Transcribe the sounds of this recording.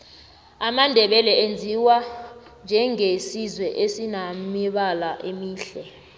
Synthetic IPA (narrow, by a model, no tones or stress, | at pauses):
amandʱɛɓɛlɛend͡zʱiwa | nd͡ʒʱɛŋesizwɛʔesinamiɓalaʔemiːɬɛ